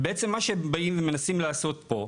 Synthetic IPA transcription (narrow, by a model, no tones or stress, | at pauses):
beet͡se̞mːaʃebaimvemenasimlaːso̞t̪̚po̞